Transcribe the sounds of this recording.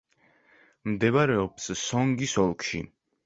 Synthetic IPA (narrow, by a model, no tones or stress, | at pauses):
md̪ɛβaɾɛɔpssɔŋɡisɔlˠkʰʃḭ